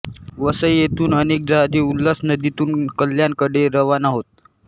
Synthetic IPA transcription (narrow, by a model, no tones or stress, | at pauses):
ʋəsəjjet̪uːnənek̚d͡zaɦad̪iulːasnəd̪it̪uːnkəlːjaŋkəɽeɾəʋanaɦot̪̚